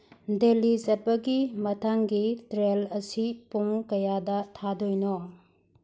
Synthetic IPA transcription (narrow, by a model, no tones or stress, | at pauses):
delizɐt̚pɐɡimɐtʰaŋɡitɾelɐsipuŋkɐjadɐtʰadojnɔ